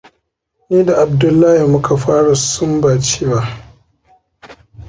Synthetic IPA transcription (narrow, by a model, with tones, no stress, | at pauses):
ne˦da˨ʔa˨b̚dʊ˦lːa˦hi˨mʊ˦kʰa˨ɸaː˦ɽa˨sʊ˦mbaː˨t͡ʃeː˦wa˦ʔ